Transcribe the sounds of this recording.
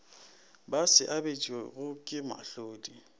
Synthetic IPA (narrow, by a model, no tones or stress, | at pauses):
basɪʔabet͡ʃʼweɣʊkʼɪma̰ɬoːdi